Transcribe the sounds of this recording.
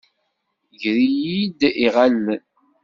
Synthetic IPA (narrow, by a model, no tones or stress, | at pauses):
ʝɾijid̪iʁalːn